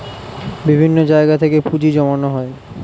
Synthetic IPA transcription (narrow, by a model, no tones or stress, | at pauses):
bibʱinːod͡ʑaeɡat̪ʰekepud͡ʑid͡ʑɔmanoɦɔe